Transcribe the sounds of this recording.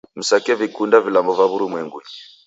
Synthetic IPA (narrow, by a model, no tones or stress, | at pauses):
m̩sakɛvikundavilambɔvaβuɾumwɛŋɡuɲi